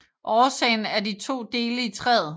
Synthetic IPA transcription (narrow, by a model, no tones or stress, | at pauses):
ʔɒːsɛ̰ɪn̩æɐdit͡sʰo̝̰ːd̥e̝ːləit͡sʰʁɛð̩ˠ